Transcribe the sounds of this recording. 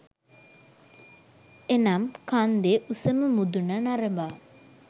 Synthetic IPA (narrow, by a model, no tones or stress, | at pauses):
enamkand̪eʔusəməmud̪unənaɾəba